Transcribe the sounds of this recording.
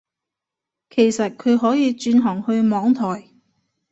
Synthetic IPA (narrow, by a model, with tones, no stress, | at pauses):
kʰe˨˩jsɐ˨t̚kʰɵ˨˧ɥɦɔː˨˥jiː˨˧t͡ʃyː˧nɦɔː˨˩ŋhɵ˧ɥmɔː˨˧ŋt̪ʰɔː˨˩j